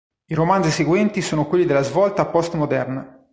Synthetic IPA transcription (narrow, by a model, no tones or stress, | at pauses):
iɾomand̪ziseɡwɛnt̪isoːnokwelːid̪elːazvɔlt̪aːpːɔst̪mod̪ɛrna